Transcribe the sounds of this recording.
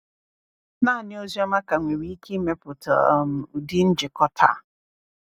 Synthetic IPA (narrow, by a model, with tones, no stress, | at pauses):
na˦˨nɪ˦o˦zi˦a˦ma˦ka˨ŋʷe˨wi˦i˦ke˦me˦pʊ˨tɔ̰˨m̩˨ʊ˨di˦n̩˦d͡ʒɪ˨kɔ˦tʰa̰˦˨